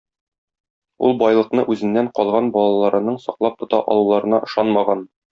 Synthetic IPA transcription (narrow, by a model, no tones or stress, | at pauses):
ṵlˠbɒjlˠɤ̆qnɤʔʉzɘ̆nːæɴqɒlˠʁɑnbɒlˠɑlˠɑɾɤ̆nɤɴsɒqlˠɑp̚t̪ŏt̪ɑ̰ʔɒ̰lˠulˠɑɾɤ̆nɑʔɤ̆ʃɑnmɑʁɑn